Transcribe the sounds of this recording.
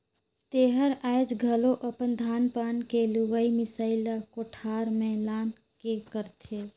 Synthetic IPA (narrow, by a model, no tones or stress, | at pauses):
t̪eːɦəɾaːɪd͡ʒɡʱəloʔəpənd̪ʱaːnpaːnkeluʋəimɪsaːɪlakoʈʰaːɾmẽlaːn | kekəɾt̪ʰe